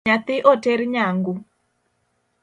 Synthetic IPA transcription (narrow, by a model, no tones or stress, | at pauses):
at̪ɪʔoteɾɲaŋɡu